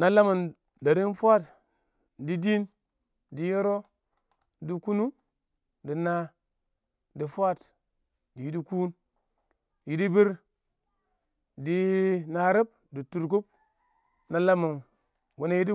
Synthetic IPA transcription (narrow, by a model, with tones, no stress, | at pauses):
na˦la˦ma˨n | da˨ɾi˦n˦fʷa˦t | di˦di˦n | di˨˦je˦ɾo˦ | di˦ku˦nu˦ | di˨na˦ | di˨fʷa˦t | di˨ji˦di˦kuː˦n | ji˨di˦bi˦ɾ | di˦na˨ɾi˦b̚ | di˨tu˨ɾk̬u˦p̚ | na˦la˦mu˨n | wu˨na˦ji˦di˦